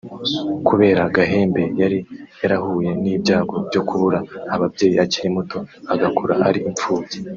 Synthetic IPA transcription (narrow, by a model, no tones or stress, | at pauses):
kuβe̞ːɾaɡaɦe̞ːmbe̞jaɾijaɾahuːje̞niːbɟaːɡo̞bjo̞kuβuɾaːβabɟe̞ːjiaciɾemuto̞aɡakʰuɾa̰a̰ɾiʔiɱp͡fuːze